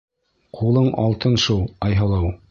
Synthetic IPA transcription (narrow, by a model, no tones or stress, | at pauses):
qʰulˠɤɴɑlˠt̪ɤnʃulˠɑjɦɑlˠɑw